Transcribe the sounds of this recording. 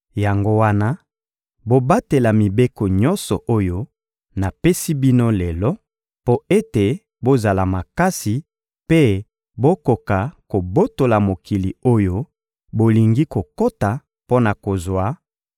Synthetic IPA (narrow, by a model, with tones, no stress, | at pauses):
ja˨ŋɡo˦wa˦na˦ | bo˦ba˦te˨la˨mi˨be˦ko˨ɲɔ˦nsɔ˨ʔo˦jo˦ | na˨pe˦si˦bi˦no˦le˨lɔ˦ | po˦e˦te˨ | bo˦za˨la˨ma˨ka˦si˨ | pe˦ | bo˦ko˨ka˨ko˨bo˦to˨la˨mo˨ki˨li˨o˦jo˦ | bo˨li˨ŋɡi˦ko˨ko˦ta˨ | po˦na˨ko˨zwa˨˦